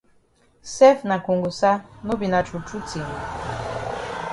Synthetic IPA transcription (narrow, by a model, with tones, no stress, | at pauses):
sɛ˦fna˨ku˨ŋɡu˨sa˦no˦bi˨na˨t͡ʃu˨t͡ʃu˦t͡si˨